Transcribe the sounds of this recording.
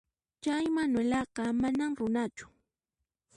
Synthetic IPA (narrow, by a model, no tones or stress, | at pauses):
t͡ʃajmanwelɑqɑmanamɾʊnat͡ʃʊ̥